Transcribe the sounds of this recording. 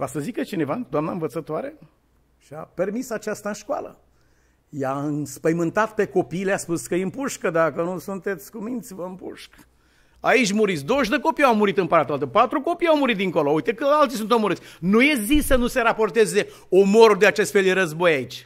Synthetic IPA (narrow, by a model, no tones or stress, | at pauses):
vasəzikət͡ʃine̞vad̪oamnaɨnvət̪sət̪oaɾe | ʃia̰pe̞rmisat͡ʃast̪aɨnʃkwa̰lə̰ | jaɨnspəjmɨnt̪at̪pe̞ko̞piːleaspuskəjimpuʃkəd̪akənusunt̪e̞t̪sʲkumint̪sʲvəɨmpṵʃk | ait͡ʃʲmuɾit̪sʲd̪owʒd̪əko̞pijawmuɾit̪ɨmpəɾat̪oalt̪əpat̪ɾuko̞pijawmuɾit̪̚d̪iŋkoloujt̪ekəalt̪isunt̪omuɾɨt̪sʲnujezisənuse̞ɾapo̞rt̪e̞ze̞ | omoɾud̪eat͡ʃest̪fe̞ld̪eɾəzbo̞jait͡ʃʲ